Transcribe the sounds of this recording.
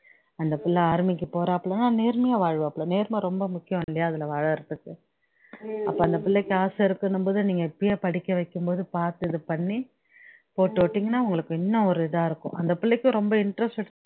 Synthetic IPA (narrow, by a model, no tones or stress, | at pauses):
ɐnd̪ɐpɪlːɐaːɾmɪk̬ːɯpoːɾẽːɐpːɐɭɐnaːneːɾmɐjaːʋaːɻʋɐ̃ɐpːɭɛneːɾmɐɾɔmbɐmʊkːɪjɐ̃mɪlːɐjaːɐðɪlɐʋaːɻɐɾɐt̪ːɯkːɯ | ɐpːoːɐnd̪ɐpɪɭːɛkːɯaːsɪɾɯkːɐnɯmboːðɯniːŋɡɐɪpːɐjeːpɐɽɪkːɐʋɐɪkːɯmpoːðɯpaːɾt̪ɯðɯpɐɳːi | poːʈːʋɔʈːiːŋɡɐnːaːʊŋɡɐɭɯkːɯ̃ɪnːɐɔɾɯɪðaːɪɾɯkːʊ̰̃ʔɐnd̪ɐpɪɭːɐɪkːʊ̃ɾɔmbɐɪɳʈɾɐsʈɐʈ